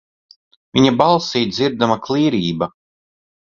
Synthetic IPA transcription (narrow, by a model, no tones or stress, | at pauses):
vʲiɲabalˠsiːd̪ziɾd̪amaklˠiːɾiːba